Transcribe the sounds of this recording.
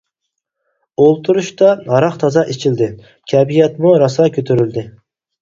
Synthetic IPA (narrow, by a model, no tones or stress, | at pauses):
olˠt̪ʰuɾuʃt̪ɑɑɾɑqt̪ʰɑzɑʔet͡ʃʰild̪ɪ | kʲʰɛbijɛt̪muɾɑsɑkʲøt̪ʰyɾyld̪ɪ